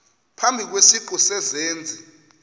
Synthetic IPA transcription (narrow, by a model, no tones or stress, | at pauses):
pʰambʱik̬wesiǃusɛzeːnd͡zʱi